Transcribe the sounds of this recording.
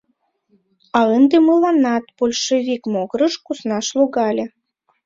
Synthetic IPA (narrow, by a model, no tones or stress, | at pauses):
ɑənd̪eməlˠɑnɑt̪b̥olʲʃəvʲikmoɣɾəʃkusnɑʃlˠuɣɑlʲĕ